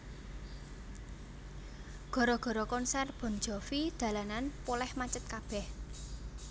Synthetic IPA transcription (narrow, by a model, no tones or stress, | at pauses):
ɡ̥ɔ̤ɾɔɡ̥ɔ̤ɾɔkɔnsɛrb̥ɔ̤n̥d͡ʒɔ̤fid̪̥ä̤lananpolɛhmat͡ʃət̪̚kab̥ɛ̤h